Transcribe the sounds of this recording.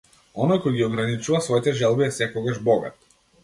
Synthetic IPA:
ɔnɔjkɔjɡiɔɡɾanit͡ʃuvasvɔit̪ɛʒɛlˠbiɛsɛkɔɡaʒbɔɡa̰t̪

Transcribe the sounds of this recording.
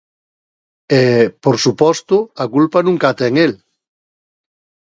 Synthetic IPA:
epoɾsupɔst̪ʊakulpanũŋkat̪ɛŋel

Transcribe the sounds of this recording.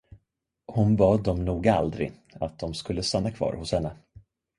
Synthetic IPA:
hʊnbɑːd̪ːɔmnuːɡaa̰ld̪ɾɪ̰ | at̪̚d̪ɔmskɵlːəst̪anːakʰv̥ɑ̰ːɾhʊshɛnːə

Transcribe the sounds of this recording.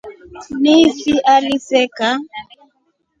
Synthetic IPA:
nifiʔalisɛka

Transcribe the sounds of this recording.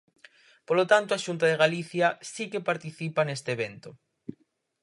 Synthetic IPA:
polot̪ant̪oaʃunt̪aðeɣaliθjasikepaɾt̪iθipanest̪eβ̞ent̪o

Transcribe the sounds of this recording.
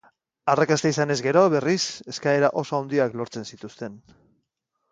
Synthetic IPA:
arakast̪aisane̞zɡe̞ɾo̞βe̞rise̞skae̞ɾaʔo̞soawnd̪iaklo̞ɾt͡se̞nsit̪ust̪e̞n

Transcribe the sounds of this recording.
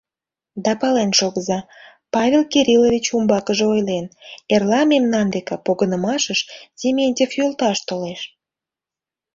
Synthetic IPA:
d̪ɑpɑlenʃoɣəzɑ | pɑvʲelkeɾʲilovʲit͡ɕumbɑkəʒeojlenerlɑmemnɑnd̪ekepoɣənəmɑʃəʃzʲemʲenʲtʲefjolˠt̪ɑʃt̪oleʃ

